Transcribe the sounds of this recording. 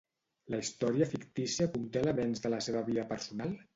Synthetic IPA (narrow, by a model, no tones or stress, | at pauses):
ləist̪ɔɾiəfikt̪isiəkunt̪eləβɛnzðələseβəβiðəpəɾsunalˠ